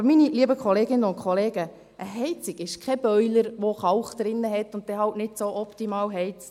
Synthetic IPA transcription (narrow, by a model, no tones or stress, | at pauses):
miniliəbəkʰɔleːɡɪnəʊntkʰχɔleːɡə | ʔəɦɛɪt͡sɪkɪʃkʰɛb̥œʏləɾʋoχɑwχd̪̥ɾɪnːəɦɛtːʊnt̚tɛɦɑltnɪtsoʔɔptimɑːlɦɛɪt͡st